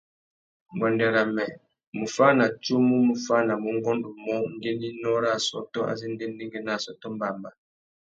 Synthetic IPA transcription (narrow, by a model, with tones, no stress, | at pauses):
ɡwɔ˨ndɛ˨ɾa˨mɛ˨ | mu˨fa˦na˨t͡ʃu˦mu˦mu˨fa˦na˨mu˨ŋɡɔ˦ndu˨mɔ˦ŋ˦ɡe˦ni˦nɔ˦ɾa˦˨sɔ̰˦tɔ˦a̰˨zi˦n˦de˦ndi˦ŋɡe˦na˨sɔ˦tɔ˦m˦ba˨mba˨